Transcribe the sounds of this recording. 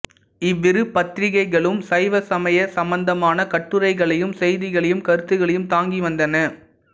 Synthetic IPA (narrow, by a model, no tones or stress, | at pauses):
ɪʋːɪɾɯpːɐt̪ɾɪɣɐɪɣɐɭɯmsɐɪʋɐsɐmɐjɐsɐmbɐnd̪ɐmaːnɐkɐʈːɯɾɐɪɣɐɭɐjɯmsɛjðɪɣɐɭɐjɯmkɐɾɯt̪ːɯɣɐɭɐjɯmt̪aːŋɡiʋɐnd̪ɐnɐ